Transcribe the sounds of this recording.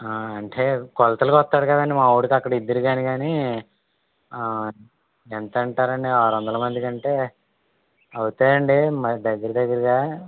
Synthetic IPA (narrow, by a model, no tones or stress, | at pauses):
ɐɳʈeːkɔlɐt̪ɐlukɔt̪ːaːɽɐɡaːɡaːnimaːwuɽikɐkːɐɽɐid̪ːɐɾiɡaːniɡaːni | ent̪ɐɳʈaːɾɐɳɖiaːɾɐnd̪ɐlɐmɐnd̪ikɐɳʈe̞ː | ɐwut̪aːɾɐɳɖimɐd̪ɐɡːɐɾɐd̪ɐɡːɐɾɐɡaː